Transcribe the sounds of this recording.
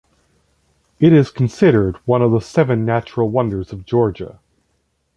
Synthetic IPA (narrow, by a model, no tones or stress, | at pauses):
ɨɾɪz̥kʰn̩sɪɾə˞d̚wʌ̃nʌvðəsɛvɨ̃nːæt͡ʃɹl̩ˠwʌ̃ndə˞zʌvd͡ʒɔɹd͡ʒə̰